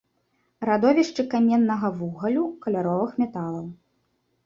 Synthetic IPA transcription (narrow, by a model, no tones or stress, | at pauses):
ɾad̪ɔvʲiʂt͡ʂɨkamʲɛnːɐɣɐvuɣɐlʲukɐlʲaɾɔvɨxmʲɛt̪alˠɐw